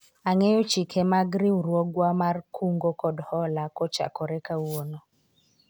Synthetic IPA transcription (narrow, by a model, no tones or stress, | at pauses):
aŋɛjɔt͡ʃikʰɛmaɡɾiuɾwɔɡwamarkʰuŋɡokɔdhɔlakɔt͡ʃa̰kɔɾɛkawonɔ